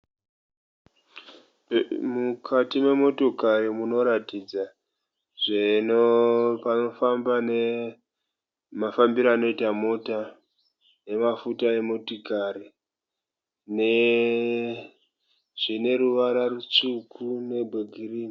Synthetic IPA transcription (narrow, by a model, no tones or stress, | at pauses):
mukʰatimwe̞mo̞to̞kaɾimuno̞ɾatid͡za | ʐenopano̞fambane | mafambiɾaːno̞itamo̞ta | je̞mafutae̞motikaɾi | ne | ʐ̥ine̞ɾuʋaɾarut͡ʂukʰune̞bʱeɡʱiriːni